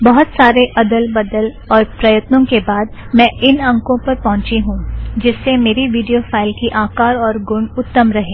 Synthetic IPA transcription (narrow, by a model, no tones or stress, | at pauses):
bɐɦʊt̪saːɾeʔɐd̪əlbɐd̪əl | ɔːɾpɾɐjət̪nõkebaːd̪mɛ̃ːɪnɐ̃ŋkõpɐɾpɐɦʊ̃t͡ʃiɦũd͡ʒɪsːemeːɾiʋiːɖijofaːɪlkiʔaːkaːɾɔːɾɡʊ̃ɳʊt̪ːəmɾɐɦẽː